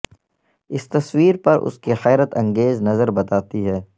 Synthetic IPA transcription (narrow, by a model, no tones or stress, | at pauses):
ɪst̪ɐswiːɾpɐɾʔʊ̰skexɛːɾət̪ɐ̃ŋɡeːznɐzəɾbɐt̪aːt̪iɦɛː